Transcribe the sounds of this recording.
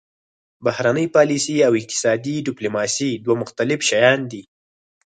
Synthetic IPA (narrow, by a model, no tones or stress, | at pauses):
bahɾanəjpɑlisiawɪq̚t̪ɪ̥sɑd̪iɖɪplumɑsid̪wamʊxt̪alɪfʃajɑnd̪i